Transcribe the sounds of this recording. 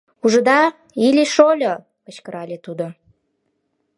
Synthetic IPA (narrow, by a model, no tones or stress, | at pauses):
uʒə̆d̪ɑ | ilʲiʃolʲo | kə̆t͡ɕkəɾɑlʲet̪ud̪o